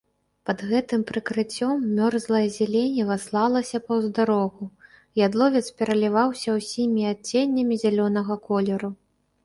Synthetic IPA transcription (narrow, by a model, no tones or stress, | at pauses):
pɐd̪ɣɛt̪ɨmpɾɨkɾɨt͡sʲɔmːʲɔrzlˠɐjɐzʲɛlʲenʲɛvaslˠalˠɐsʲɐpɐwzd̪aɾɔɣu | jad̪lˠɔvʲɛt̪spʲɛɾɐlʲivawsʲɐwsʲimʲiat͡sʲːenʲːɐmʲizʲalʲɔnɐɣɐkɔlʲɛɾu